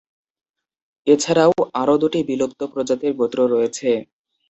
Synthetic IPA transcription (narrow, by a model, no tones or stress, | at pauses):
et͡ɕʰaɾaoaɾod̪oʈibilob̚t̪opɾod͡ʑat̪eɾɡot̪ɾoɾɔjet͡ɕʰe